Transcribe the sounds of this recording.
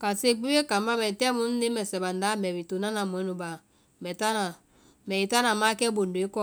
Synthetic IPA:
ka˨se˦˨k͡pi˦we˦ka˨m˦ba˦mɛ˨tɛ˦mu˦n̩˦ni˦mɛ˨sɛ˨ba˨n˨da˨˦mɛ˨bi˨tu˨na˦na˨mwɛ˨˦nu˨ba˨ | mɛ˨ta˦na˨ | mɛ˨i˨ta˦na˨ma˦kɛ˦bo˨n˨de˦kɔ˦

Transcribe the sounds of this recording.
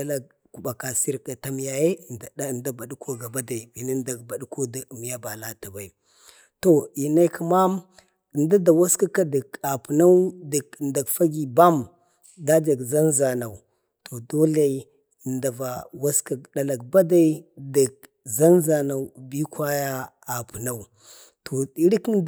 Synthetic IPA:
a˦la˦ɡ̚ | ku˨ba˨ka˨si˦ɾka˨ta˦m˦ja˦je˦˨da˨a˦˨da˦ba˨dkʰo˦ɡa˨ba˦da˨i˨vi˨na˦n˦da˨ɡba˨ɗko˦da˨m˨ja˦ba˨la˦ta˨ba˨i˨ | to˨i˨na˦i˦ki˦ma˦m | ə˨nda˦da˨wa˦ska˦ka˦də˨ka˨pu˨na˦wdi˨knda˨kfa˦ɡi˨ba˦m | da˦d͡ʒa˨ɡza˦nza˨na˨u˨ | tʰo˨do˦la˨i˦˨ | nda˨va˨wa˦ska˨da˨la˨kba˦da˦i˦da˨k̚ | za˦nza˨na˨u˦bi˦ka˦ja˦ | a˨pu˨na˦u˨ | tʰo˨i˦ɾi˦kn˦

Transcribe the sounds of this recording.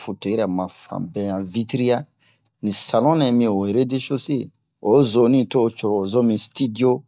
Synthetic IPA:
fu˨to˨ɛ˦ɾa˨mã˨fã̰˨bɛ̃˦jã˨vi˦tɾi˦ja˦ | nĩ˨sa˨lɔ̃˦nã˨˦mĩ˦˨o˨eɾe˦de˦ʃo˦se˦ | o˨zo˨nĩ˦to˦o˦t͡ʃo˨ɾɔ˨zõ˦mĩ˨sti˦di˦o˦

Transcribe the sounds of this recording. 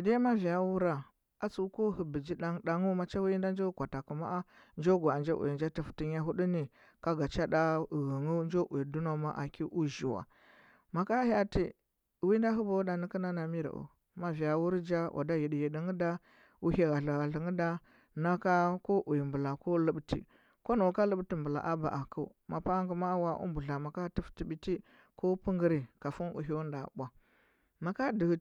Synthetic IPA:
i˨de˦ma˦vi˨ja˦wu˦ɾa˨ | a˦t͡su˦ko˦ɦi˨bi˨d͡ʒi˦ɗa˦ŋɗa˨ŋu˦ma˨t͡ʃa˦wi˦i˦nda˦nd͡ʒa˦kʷa˨ta˨ku˨ma̰˦ʔa˦ | nd͡ʒo˦ɡu˨a˨nd͡ʒa̰˦ʔṵ˨ji˨nd͡ʒa˦ti˨fu̥˨ti˦ɲ˦a˦ɦu˦ɗu˦ni˨ | ka˦ɡa˨t͡ʃa˦da˦u˨ɣi˨ŋu˦nd͡ʒo˦ʔu˨i˨du˦no˦ma˦ʔa̰˨ki˦ʔu˦ʒi˨wa̰˨ | ma˨ka˦ha˦ti˦˨ | wi˦n˦da˦ɦu˦ba˨u˦da˨ni˦ki˦na˦na˨mi˦ɾa̰˨ʔṵ˨ | ma˨vi˨a˨wu˦ɾd͡ʒa˦ʔa̰˨da˦ji˨di˨ji˨di˦ŋə˦da˦ | u˦he˦ɣa˨ɬa˨ɣa˨ɬi˨ŋə˦da˦ | na˦ka˦ko˦ʔu˨ji˨mbu˨la˨ko˦lə˦ɓtʰḭ˨ | ko˦no˨ka˦lə˦bti˨mbu˨la̰˨ʔa˦ba̰˨ʔa˨kṵ˦ | ma˨pa˦ŋɡu˨ma˦wa˦ʔṵ˦mbu˨ɮa˨ma˨ka˦ti˦fti˨bi˨ti˦ | ko˦pu˦ŋɡə˦ɾi˨ka˨fu˦nṵ˨ɦi˦wu˦nda̰˨bʷa˨ | ma˨ka˦di˨

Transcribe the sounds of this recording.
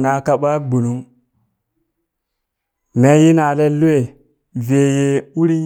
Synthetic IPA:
na˨ka˦ɓa˦bu˨nu˦ŋ | me˦ji˦na˨le˦lu˦e˨ | ve˨je˦wu˦ɾi˦

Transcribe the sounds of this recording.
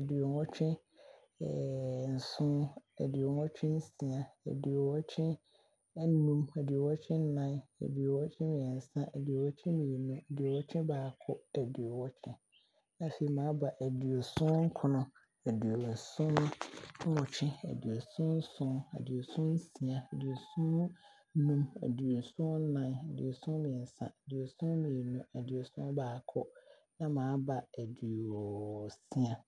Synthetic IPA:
æ˨di˨o˨ŋɔ̃˦t͡ɕᶣʰɛ̃˦ | ɛ̰˨n̩˨sʊ̃˦æ̰˨di˨o˨ŋɔ̃˦t͡ɕᶣʰɪ̃˦n̩˦sĩ˨a˨æ̰˨di˨o˨wɔ˦t͡ɕʰɛ̃˦ | nũ˦mæ˨di˨o˨wɔ˦t͡ɕʰɪ̃˦n̩˦nã˦næ̰˨di˨o˨wɔ˦t͡ɕʰɪ̃˦m̃˨ɛ˨n̩˨sã˦ʔæ˨di˨o˨wɔ˦t͡ɕʰɪ̃˦ĩ˨ji˨nʊ̃˦æ˨di˨o˨wɔ˦t͡ɕʰᶣɪ̃˦baː˨kʰɔ˦æ˨di˨o˨wɔ˦t͡ɕʰɪ̃˦ | nã˨fe˨i˨mãː˨˦ba˨ʔæ˨di˨o˨sʊ̃˦ŋ̩˦kʰʊ˨nʊ̃˨ | æ˨du˨o˨n̩˨sʊ̃˦n˦wɔ˨t͡ɕʰɪ̃˦æ̰˨dɥo˨sʊ̃˦n̩˦sʊ̃˦æ̰˨dɥo˨sʊ̃˦n̩˦sĩ˨a˨æ˨dy˨o˨sʊ̃˦n | nũ˦mæ̰˨du˨o˨n̩˨sʊ̃˦nã˦næ˨dy̰˨o˨sʊ̃˦mĩ˨n̩˨sã̰˨æ˨dɥo˨sʊ̃˦mĩ˨nũ˦æ˨dɥo˨sʊ̃˦n˦baː˨kʰɔ˦ | nã˦mãː˨˦ba˨æ˨du˨o˨o˨sĩ˦a˨

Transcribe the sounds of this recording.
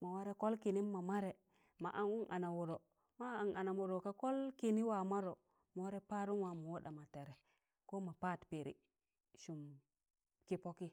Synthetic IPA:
ma˨wa˦ɾe˦ko˦lki˨ni˦mːa˨ma˦ɾe˨ | ma˨ʔa˦nu˦ʔa˨na˨wu˨ɾo˨ | ma˦a˨ŋa˨na˨mu˨ɾo˨ka˦ko˦lki˨ni˦wa˨ma˦ɾo˨ | mo˦ɾe˦pa˦ɾu˦nwa˨mu˨wo˦ɗa˨ma˨te˨ɾe˨ | ko˦ma˨pa˦˨tpe˨ɾḭ˦ | ʃu˨m | ki˦po˦ki˦

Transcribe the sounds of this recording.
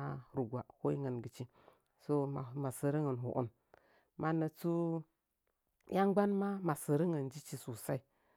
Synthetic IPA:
ɾu˨ɡʷa˨ho˦i˦ŋə˨nɡə˨t͡ʃi˦ | so˦a˨ma˨sə˨ɾə˦ŋə˨nɦṵ˨ʔṵ˦m | mʔa˨nə˨t͡su˦ | ja˦ŋɡ͡ba˦nma˦ma˨sə˨ɾə˦ŋə˨nd͡ʒi˦t͡ʃi˦su˨sa˦i˨

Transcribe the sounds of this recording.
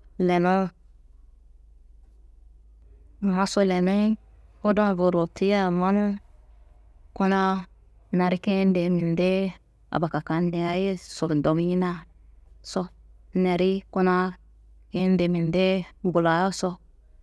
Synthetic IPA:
le˨no˦˨ | ha˦so˦le˨ne˦o˦do˦n˨vo˨ɾo˨ti˦ja˦˨ma˦n˦ | ko˦na˦ | na˨ɾi˦ke˦n˦de˨mi˨nde˦ | a̰˨ba˨ka˨ka˨n˦de˨a˦je˦so˨do˨m˦i˦na˦˨ | so˦ne˨ɾi˦ko˦na˦ | ke˦n˦de˨mi˨nde˦ɡu˨la˨jo˦so˦

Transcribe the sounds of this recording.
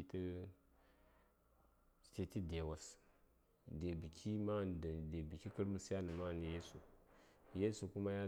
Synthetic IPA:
tə˦˨ | te˨ti˦de˨wa˨s | de˨bi˨kʰi˦ma˦˨de˨bi˨ki˦kə˦ɾmu˨sja˦nə˨ma˦˨ni˨je˦su˨ | je˦su˨ku˦ma˦ja˦

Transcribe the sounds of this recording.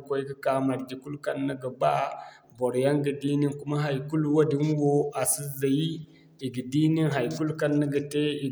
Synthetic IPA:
ko˦i˦ki˦ka˨ma˨ɾɡi˨ku˦lka˦nːə˦ɡə˨ba˦ | bo˨ɾja˦ŋɡə˨di˦ni˦ŋku˦ma˦ɦa˨jku˦lwa˦di˦n˦wo˦a˨si˦za˨ji˦ | i˨ɡi˨di˦ni˦nɦa˨jku˦lka˦nːə˦ɡə˨te˦i˨

